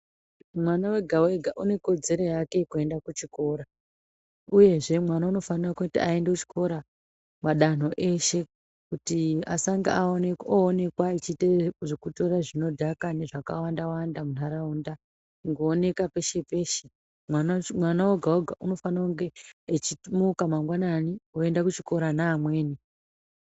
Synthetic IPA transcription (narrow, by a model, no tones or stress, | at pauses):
mwanawe̞ɡʱawe̞ɡʱaʔune̞ko̞d͡ze̞ɾo̞jake̞kue̞ndakut͡ʃiko̞ːɾa | uje̞ʐe̞mwanauno̞fanirakutiae̞ndeut͡ʃi̥ko̞ɾa | maɗan̤o̞ʔe̞ʃe̞ | kutia̰saŋɡa̰aonekoːne̞kwait͡ʃiteʐekuto̞ɾaʐino̞dʱakane̞ʐaka̰wandawandamunaɾaunda | ŋɡoːne̞kape̞ʃe̞pe̞ːʃe | mwanmwanawoɡʱaoɡʱauno̞fanauŋɡe̞ːt͡ʃimukamaŋɡwananioe̞ndakut͡ʃiko̞ɾanaːmwe̞ːni